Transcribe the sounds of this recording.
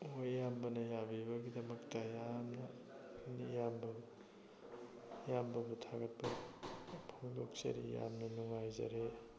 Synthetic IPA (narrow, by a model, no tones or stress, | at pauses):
ojːambɐnɐjabibɐɡidɐmɐk̚tɐjamnɐ | nijambɐ | jambɐbutʰaɡɐt̚bɐ | pʰoŋdok̚t͡ʃɐ̰ɾḭja̰mnɐnuŋajzɐ̰ɾe